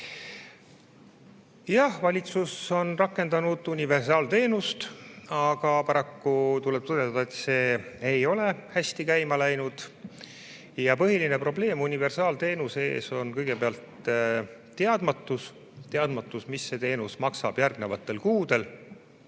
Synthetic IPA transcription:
jɑhvɑlʲit̪suso̞nrɑkːe̞nd̪̥ɑnud̪̥unʲive̞rsɑːlt̪e̞ːnust̪ɑɡ̥ɑpɑɾɑkːut̪ulɛb̥̚t̪ɤd̪et̪ɑd̪ɑet̪se̞ːejo̞le̞hæsʲt̪ikæjmɑlæjnud̪̥ | jɑpɤɦilinepro̞ble̞ːmunʲive̞rsɑːlt̪e̞ːnuse̞̰ːso̞nkɤjɡ̥epeɑlt̪ | tːe̞ɑd̪̥mɑt̪ːˑus | t̪e̞ɑd̪̥mɑt̪ːˑusmisːe̞t̪e̞ːnusmɑksɑ̰b̥jærɡne̞vɑt̪ːˑe̞lkuːd̪̥e̞l

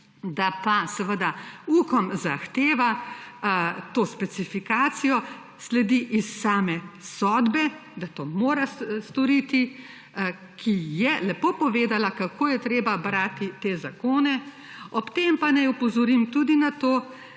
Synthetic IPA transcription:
d̪apasɛʋəd̪auːkɔmzaxt̪eːʋa | t̪oːspɛsifikaːt̪sijɔ | slɛd̪iʔisːaːmɛsɔd̪bɛd̪at̪oːmoːɾast̪ɔɾit̪i | kʰijɛlɛpoːpɔʋeːd̪alakakʰoːjɛt̪ɾeːbabɾaːt̪it̪ezakoːnɛ | ɔpt̪empanajupɔzɔɾimt̪ud̪inat̪oː

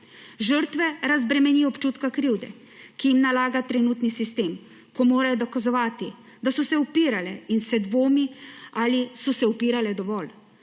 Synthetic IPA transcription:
ʒəɾt̪ʋɛɾazbɾɛmɛniːɔpt͡ʃuːt̪kakɾiwd̪ɛ̰ | kijimnalaːɡat̪ɾɛnuːt̪nisist̪eːm | kɔmoːɾajɔd̪ɔkazɔʋaːt̪i | d̪asɔsɛupiːɾalɛinsɛd̪ʋoːmiaːlisɔsɛupiːɾalɛd̪ɔʋɔl

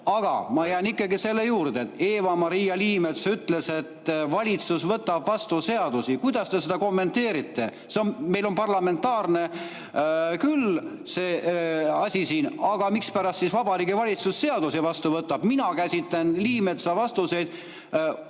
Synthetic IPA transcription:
ɑɡ̥ɑ̰mɑjæːnikːˑɑɡise̞lːejuːrd̪eet̪e̞ːvɑmɑɾijɑliːmet̪syt̪ːle̞se̞t̪ːvɑlʲit̪susvɤt̪ːɑbvɑst̪use̞ɑd̪̥usikujd̪̥ɑst̪e̞se̞d̪̥ɑko̞mːe̞nt̪e̞ːɾit̪ːe̞ | seonme̞jlo̞npɑrlɑme̞nt̪ːɑːrne̞ | kyl | se̞ːɑsʲisiːnɑɡ̥ɑmikspæɾɑst̪sisvɑb̥ɑɾiːɡivɑlʲit̪susːe̞ɑd̪usivɑst̪uvɤt̪ːˑɑb̥minɑkæsʲit̪lenliːme̞t̪sɑvɑst̪use̞jd̪̥

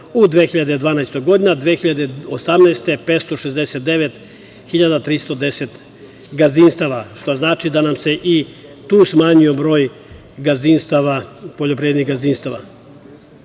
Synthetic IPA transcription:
ud̪ʋexiʎad̪ed̪ʋaːnajst̪oɡo̞d̪inad̪ʋeːxiʎad̪eosamnaest̪e̞pet̪st̪o̞ʃezd̪eset̪̚d̪eʋet̪ | xiʎad̪at̪ɾist̪o̞d̪eset̪ | ɡazinst̪aʋaʃt̪oznaːt͡ʃid̪anamse̞ʔit̪uːsmaːɲiobɾo̞ːj | ɡazinst̪aʋapoʎopɾied̪niɣɡazinst̪aʋa̰

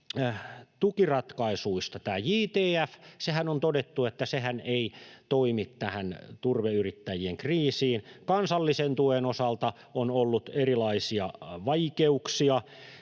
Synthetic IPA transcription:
t̪ukirɑt̪kɑisuist̪ɑt̪æːjiːt̪eːæfsehænont̪odet̪ːuet̪ːæsehæneit̪oimit̪t̪æhænt̪urʋeyrit̪ːæjieŋkriːsiːnkɑnsɑlːisent̪uenosɑlt̪ɑ | onolːut̪erilɑisiɑʋɑikeuksiɑ

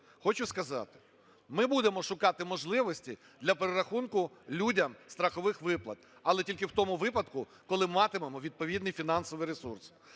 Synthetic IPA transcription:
xɔt͡ʃʊskɐzɑ̰t̪ɪ̥ | mɪbud̪emɔʃʊkɑt̪ɪmɔʒlˠɪʋɔsʲtʲi | d̪lʲɐpeɾeɾɐxunkʊlʲudʲɐmst̪ɾɐxɔʋɪxʋɪplˠɐ̰t̪ | ɐlˠɛtʲilʲkɪwt̪ɔmʊʋɪpɐd̪kʊ | kɔlˠɪmɑt̪ɪmmɔʋʲid̪̚pɔʋʲid̪nɨjfʲinɑnsɔʋɨjɾesurs

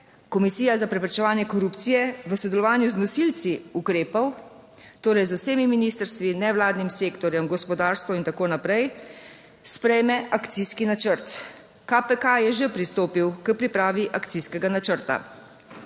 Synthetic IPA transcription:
kɔmisiːjazapɾɛpɾɛt͡ʃɛʋaːnjɛkɔɾuːpt̪sijɛʋəsɔd̪ɛlɔʋaːnjuznɔsilt̪siukɾeːpɔw | t̪oːɾɛjzwseːmiminiːst̪əɾst̪ʋinɛʋlaːd̪nimseːkt̪ɔɾjɛmɡɔspɔd̪aːɾst̪ʋɔint̪akoːnapɾɛj | spɾɛjmɛʔakt̪siskinat͡ʃəɾt̪ | kapɛkajɛʒepɾist̪oːpiwkəpɾipɾaːʋiʔakt̪siskɛɡanat͡ʃəɾt̪a̰

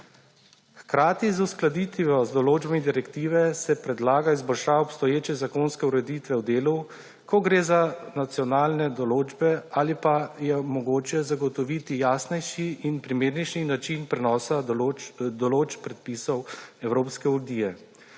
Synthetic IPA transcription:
xkɾaːt̪izusklad̪it̪ʋiɔzd̪ɔloːd͡ʒbamid̪iɾɛkt̪iːʋɛsɛpɾɛd̪laːɡaizbɔlʃaːɔpst̪ɔjeːt͡ʃɛzakonskɛuɾɛd̪it̪ʋɛwd̪eːlu | kɔɡɾeːzanat̪sijɔnaːlnɛd̪ɔloːd͡ʒbɛaːlipajɛmɔɡoːt͡ʃɛzaɡɔt̪ɔʋiːt̪ijaːsnɛjʃiːnpɾimeːɾnɛjʃninat͡ʃinpɾɛnɔːsa | d̪ɔloːt͡ʃpɾɛt̪̚pisɔwɛwɾoːpskɛud̪iːjɛ

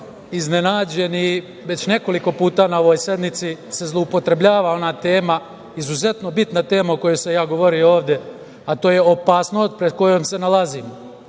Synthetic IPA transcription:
izne̞naːd͡ʑe̞ni | ʋe̞t͡ɕne̞ko̞liko̞puːt̪anao̞ʋo̞ːjsje̞d̪nit̪sise̞zlˠoupo̞t̪ɾe̞bʎʲaːʋao̞nat̪e̞ːma | izuze̞t̪no̞bit̪nat̪e̞ːmaoko̞jojsejaːɡo̞ʋo̞ɾioo̞ːʋd̪je | at̪oːjeopaːsno̞ːst̪̚pɾe̞d̪̚ko̞jomse̞nalaziːmo

